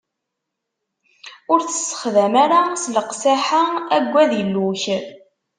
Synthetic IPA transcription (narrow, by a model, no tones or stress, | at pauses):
ʊɾθə̥sːə̥χðæmaɾasləqsaħaæɡʷːæðəlːuç